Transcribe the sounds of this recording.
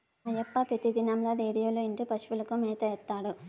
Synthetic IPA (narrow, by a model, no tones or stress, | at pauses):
ɐjɐpːɐpɾɐt̪id̪inɐmloːɾeːɽijoːluiɳʈupɐʃʋulɐkumɛːt̪ɐɛt̪ːaːɽu